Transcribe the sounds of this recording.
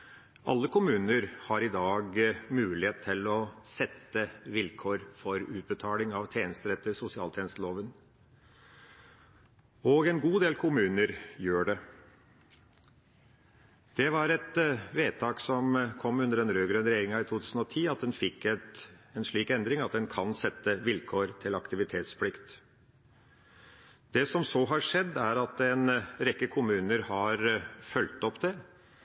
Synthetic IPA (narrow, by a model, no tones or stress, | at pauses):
ʔɑ̰lːəkʰʊmʉːnəɾhɑɾɪd̪ɑːɡmʉːlɪheːt̪t̪ʰɪlɔsɛt̪ːəʋɪlkʰoːɾfɔɾʉːt̪̚bət̪ʰɑːlɪŋɑʋt̪ʰjeːnəst̪əɾɛt̪ːəɾsʊsɪɑ̰ːlt̪ʰeːnəst̪əloːʋən | ɔɡɛnɡuːd̪eːlkʰʊmʉːnəɾjøːɖɛ | d̪̥ɛʋɑɾɛt̪ʋeːt̪ʰɑːksɔmkʰɔmːʉnd̪əɾɛnɾøːɡɾœnɾɛjeːɾɪŋɑɪt̪ʰuːt̪ʰʉːsən̩ɔt̪ʰiːɑt̪̚d̪ɛnfɪkːɛt̪ɛnʂɭiːkɛnd̪ɾɪŋɑt̪̚d̪ɛnkʰɑnsɛt̪ːəʋɪlkʰoːɾt̪ʰɪlɑkt̪ɪʋɪt̪ʰeːt̪spʰlɪkt̪ | d̪̥ɛsɔmsɔɦɑʂɛd̪ːæɾɑt̪ɛnɾɛkːəkʰʊmʉːnəɾhɑɾfœlt̪ɔpd̪ɛ